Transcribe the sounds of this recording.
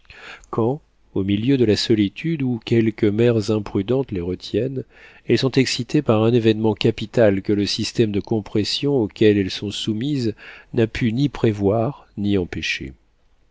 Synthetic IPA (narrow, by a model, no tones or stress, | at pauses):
kʰɑ̃ | omiljød̪əlasɔlit̪ʰyd̪ukʲɛlkʲəmɛʁzɛ̃pχyd̪ɑ̃t̪leʁət̪ʰjɛn | ɛlsɔ̃t̪ɛksit̪epaʁɛ̃nevɛnmɑ̃kʲapit̪alkələsist̪ɛmd̪əkɔ̃pχɛsjɔ̃okʲɛlɛlsɔ̃sumiznapʰynipχevwaʁniɑ̃peʃḛ